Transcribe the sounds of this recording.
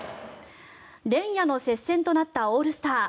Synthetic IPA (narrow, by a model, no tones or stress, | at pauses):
ɾẽ̞ɰ̃jano̞se̞sːẽnt̪o̞nat̪ːaoːɾɯ̟sɨ̥t̪aː